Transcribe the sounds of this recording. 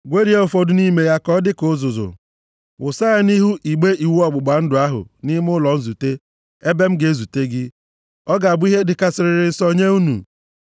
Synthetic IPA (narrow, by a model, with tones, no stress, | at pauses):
ɡʷe˦ɾi˨˦e˦o˨fo˦dʊ˨ni˦me˨ja˦kɔ˦dɪ˦kʊ˦zʊ˨zʊ̰˨ | wʊ˨sa˦a˦ni˦ɦu˦ʔi˨ɡ͡be˦i˨wu˦ɔ˦ɡ͡bʊ˨ɡ͡ba˨˦n̩˦dʊ˨a˦ɦʊ̰˨nɪ˦m˦ʊ˦lɔ˨n̩˦zu˨te˦ | e˦be˦m̩˦ɡe˨˦zu˨te˦ɡɪ˦ | ɔ˦ɡa˨a˨bʊ˦i˦ɦe˦dɪ˨ka˦sɪ˨ɾɪ˨ɾɪ˨n̩˨˦sɔ˦ɲe˦u˦nṵ˨